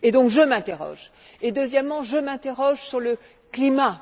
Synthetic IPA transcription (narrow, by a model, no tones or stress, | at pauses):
ed̪ɔ̃kʒəmɛ̃t̪eʁɔ̰ʒ | ed̪øzjɛmːɑ̃ʒəmɛ̃t̪eʁɔʒsyʁlə | klima